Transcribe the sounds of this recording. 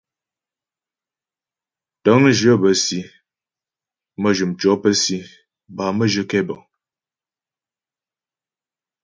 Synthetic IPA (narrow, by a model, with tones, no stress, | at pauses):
tə˨˦ŋ˦ʒə˦bə˨˦si˨˦ | mə˦ʒu˨mt͡ʃɔ˨˦pə˦si˦ | ba˨mə˦ʒə˦kɛ˦bɔ˨